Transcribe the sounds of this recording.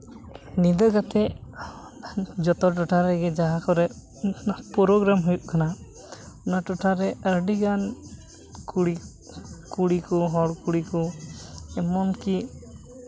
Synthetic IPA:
nid̪əɡat̪ɛʔ | d͡ʒɔt̪ɔʈɔʈaɾɛɡɛd͡ʒaɦakɔɾɛ | pɔɾɔɡɾamɦujuʔkana | ɔnaʈɔʈʰaɾɛɾɖiɡan | i | kuɽikɔɦɔɽkuɽikɔ | ɛmɔnki

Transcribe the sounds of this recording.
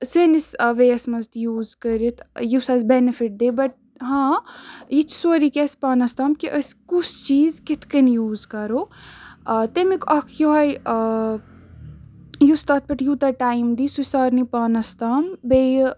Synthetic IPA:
sinisʋejɐsmɐzt̪juːzkəɾit̪ʰjusɐːzbɛnifiʈ̚d̪eːbɐʈ̚ | ɦãːjit͡ʃʰsoːɾikʲɛspaːnɐst̪aːmkiʔəskusʰt͡ʃiːzkit̪ʰkɐnjuːzkɐɾoː | t̪emikɐkʰjoɦaj | just̪aːt̪̚bɐʈjut̪ɐʈaːimd̪isusaːɾnipaːnɐst̪aːmbe

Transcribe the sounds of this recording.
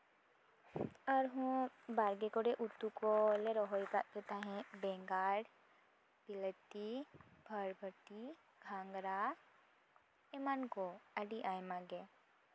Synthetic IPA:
əɾɦũbaːɾɡekoɽeʔut̪ːukoleɾoɦojkaket̪aɦɛ̃bɛ̃ːŋɡaːɽ | pɪlət̪ːibʱəɾbʱət̪i | ɡʱãːŋɡɾa | emankoəɖiʔaːjmãɡe

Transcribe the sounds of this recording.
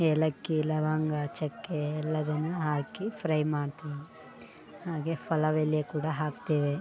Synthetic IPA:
elɐkːilɐʋaŋɡɐt͡ʃɛkːeːlːɐd̪ɐnːuɦaːkipʰɾɐjmaːɽt̪unu | haːɡeːpʰɐlɐʋelijekuːɽaːɦaːkt̪eːʋe

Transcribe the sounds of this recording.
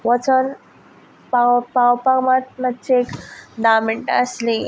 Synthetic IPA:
ʋət͡sən | papawpamat̪̚məd̪t͡ɕiekɖameɳʈəsli

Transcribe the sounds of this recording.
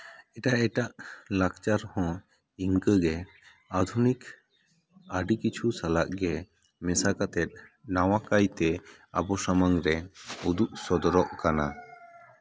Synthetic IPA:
ɛʈaʔɛʈaʔlakt͡ʃaɾhɔ̃ | iŋkəɡɛ | ad̪ʱunik | aɖikit͡ʃʰusalaʔɡɛ | mɛsakat̪ɛt̪̚ˀnaw̃akajt̪ɛa̰bɔsamaŋɾɛud̪uʔsɔd̪ɔɾɔʔkana

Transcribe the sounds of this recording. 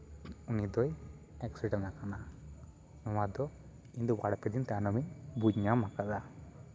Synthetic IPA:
unid̪ɔj | ɛksiɖɛnnakana | nɔwad̪ɔ | ind̪ɔbaɽpɛd̪int̪ɛanɔmiɲbud͡ʒɲamakad̪a

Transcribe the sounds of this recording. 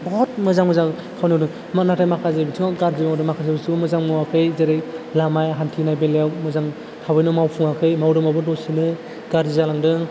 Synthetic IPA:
bɔɦɔt̚mɯzaŋmɯzaŋ | kʰawnidɯŋ | manatʰajmakʰazajbitʰɯŋaɡaɾzibadɯmakʰazajbisumɯzaŋmɯwakʰɯjzeɾejlamajɦantʰinajbeljawmɯzaŋ | tʰabɯjnɯmawpʰuŋakʰɯjmawɾɯmabɯdɔsinɯ | ɡaɾzizalaŋdɯŋ

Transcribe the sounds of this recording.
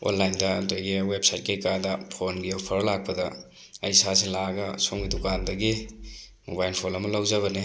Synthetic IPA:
o̰nlajndɐ̰ntejɡiwepsajt̚kejkadɐpʰonɡiɐwpʰɐɾɐlak̚pɐdɐ | ɐjsas̬elaɡɐsoŋɡidukandɐɡi | mobajlpʰonɐmɐlɐwzɐβɐni

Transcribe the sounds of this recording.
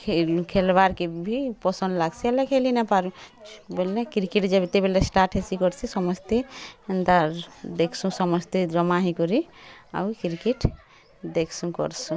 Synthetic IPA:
kʰekʰelbaɾkebʱipɔsə̃nd̪laɡsʰielekʰelinɛpaɾũbelekiɾkiʈd͡ʒɛbit̪ebelesʈaʈɦesikɔɾsʰisɔmɔst̪end̪aɾd̪ekʰsũsɔmɔst̪ed̪ɾɔmaɦĩkɔɾia̰wkiɾkeʈ | d̪ekʰsũkɔ̰ɾsũ

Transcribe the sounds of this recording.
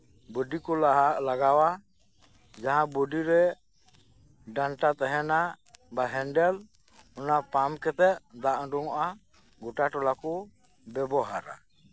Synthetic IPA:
bəɖikɔlaɦalaɡawa | d͡ʒaɦãbəɖiɾɛ | ɖaɳʈat̪ɛɦɛna | baɦɛnɖɛl | ɔnapamkɛt̪ɛʔd̪aʔɖuŋɔʔa | ɡuʈaʈɔlakɔ | bɛbɔɦaɾa̰

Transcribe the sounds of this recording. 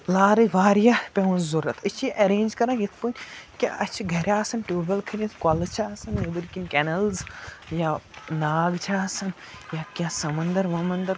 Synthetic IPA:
laːɾɐʋaːɾjapʲɐʋɐnzuɾɐt̪ʰɐt͡ʃʰjiʔɐɾeːnʲd͡ʒkɐɾãːɡit̪ʰpunʲkʲa̰ʔɐt͡ʃʰiɡʱɐɾjaːsɐnʈoːbɐlkʰɐɾʲɐt̪ʰkɐlɐt͡ʃʰaːsɐnːebɨɾkinkʲɛnɐlzjanaːɡt͡ʃʰaːsɐn | jakʲãːsɐmɐnd̪ɐɾʋɐmɐnd̪ɐɾ

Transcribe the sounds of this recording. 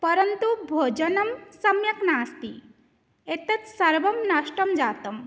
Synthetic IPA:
pɐɾɐnt̪ubʱoːd͡ʒɐnɐmsɐmjɐknaːst̪i | et̪ɐt͡ssɐɾbɐmnɐʃʈɐmd͡ʒaːt̪ɐm

